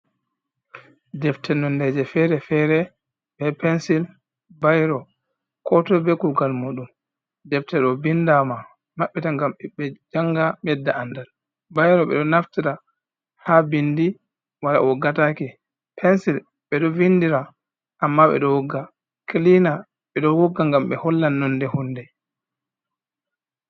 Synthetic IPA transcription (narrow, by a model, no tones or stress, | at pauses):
d͡ʒɛftɛnɔndɛd͡ʒɛfɛɾɛfɛɾɛ | bɛpɛnsil | bajɾɔ | kɔtɔbɛkuɡalmuɗum | dɛftɛɗɔbindama | maɓːitaŋɡamɓɛd͡ʒaŋɡamɛdːaʔandal | bajɾɔɓɛ̰ɗɔnaftiɾa | habindi | wala̰wɔɡatakɛ | pʰɛnsil | ɓɛɗɔvindiɾa | ʔamːaɓɛ̰ɗɔwɔɡːa | klina | ɓɛɗɔwɔɡːaŋɡamɓɛ̰hɔlːanːɔndɛhundɛ